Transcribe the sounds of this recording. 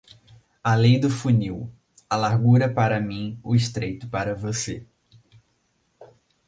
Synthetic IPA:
alẽj̃d̪ʊfuniw | ɐlaɾɡuɾɐpaɾɐmĩʊɪʃt̪ɾejt̪ʊpaɾɐvosḛ

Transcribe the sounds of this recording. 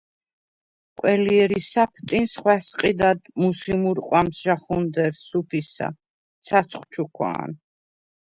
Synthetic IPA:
qʼwɛliɛɾisapʰt̪ʼinsχwɛsqʼid̪ad̪musimuɾqʼwamsʒaχund̪ɛɾsupʰisa̰ | t̪sʰat̪sʰχʷwt͡ʃʰukʰwa̰ːn

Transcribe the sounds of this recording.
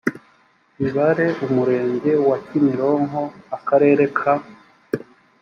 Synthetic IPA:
iβaɾe̞umuɾe̞ːɲɟe̞wacimiɾoŋɦoakaɾe̞ːɾe̞kʰa

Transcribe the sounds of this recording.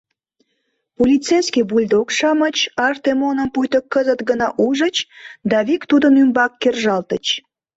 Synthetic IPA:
polʲit͡sejskʲibulʲd̪okʃɑmət͡ɕɑrt̪emonəmpujt̪əkːəzət̪ɡənɑʔuʒət͡ɕd̪ɑβikt̪ud̪ənymbɑkːerʒɑlt̪ət͡ɕ

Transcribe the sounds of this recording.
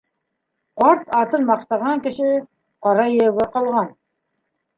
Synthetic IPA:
qɑɾt̪ɑt̪ənmɑqt̪ɑʁɑŋkʲɪʃɪ | qɑɾɑjeɡʲeqɑlˠʁɑn

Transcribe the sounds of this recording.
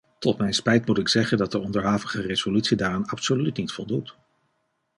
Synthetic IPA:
tɔtmɛjnspɛjtmutɪksɛχəndɑt̚dəɔndəɹɦaːvəχərez̥olytsidaːranɑpsolytnitfɔlˠdut

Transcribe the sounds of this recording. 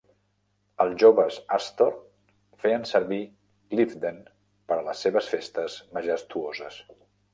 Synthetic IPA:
əlˠzʒoβəzast̪or | feənsəɾβi | ɡlifd̪en | pəɾələsːeβəsfest̪əzməʒəst̪uozəs

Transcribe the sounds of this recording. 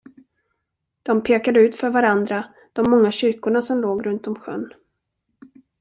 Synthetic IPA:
d̪̥ɔmpʰeːkad̪əʉ̟ːt̪fœɾvaɾand̪ɾa | d̪̥ɔmːɔŋːaɕʏɾkʊɳasɔmloːɡɾɵnt̪ɔmɧœ̰nː

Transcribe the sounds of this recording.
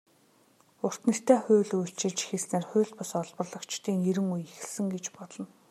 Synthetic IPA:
ʊr̥t̪nə̆kt̪æːxʊːɮuɬt͡ɕɪ̆ɮt͡ɕi̥xĕsneːrxʊ̟ːɬt̪pʊsɔɮpɞ̆rɮɞ̆kt͡ɕt̪iːŋeɾɘ̆ŋujexɘ̆ɮsɘ̆ŋɡet͡ɕpɔɮɞ̆n

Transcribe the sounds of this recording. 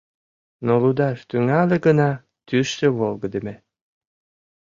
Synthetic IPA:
nolud̪ɑʃt̪yŋælʲĕɡə̆nɑ | t̪yʃt̪ĕβolˠɡɤ̆d̪ĕmĕ

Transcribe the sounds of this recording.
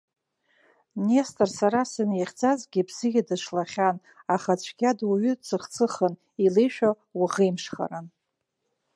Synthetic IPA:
nestʼɨrsaɾasɨnjaχʲd͡zazɡʲibz̥ɨɡʲadɨʂlaχʲan | aχat͡ɕʷʰɡʲadwaɥʏt͡sʰɨχt͡sʰɨχən | ilejʃᶣa | waʁejmʂχa̰ɾan

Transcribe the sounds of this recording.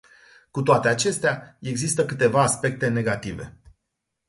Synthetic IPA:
kut̪oat̪e̞at͡ʃe̞st̪eae̞ɡzist̪əkɨt̪e̞vaːspe̞k̚t̪e̞ne̞ɡat̪ive̞̰

